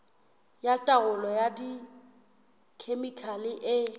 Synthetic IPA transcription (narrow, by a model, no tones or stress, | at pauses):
jatʼaɣʊlɔjadi | kʰemikʰalɪʔɪ